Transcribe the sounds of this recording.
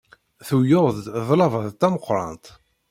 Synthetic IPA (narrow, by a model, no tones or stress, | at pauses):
θujoððˤlɑvɑðt̪ːæməqːɾˤɑ̰nt̪